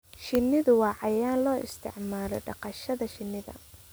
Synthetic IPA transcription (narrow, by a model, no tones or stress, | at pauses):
ʃɪnːɪðʊwɑːʕɑjaːnlɔːʔɪ̰st̪ʰɪ̰ʕmaːlɔ̰ɖɑ̰qɑʃɐðɐʃɪnːɪðɐ̰